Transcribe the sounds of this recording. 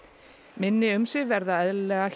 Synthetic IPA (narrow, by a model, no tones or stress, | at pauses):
mɪnːɪʏmsɪɣvɛɾðaɛðllɛɣaɬ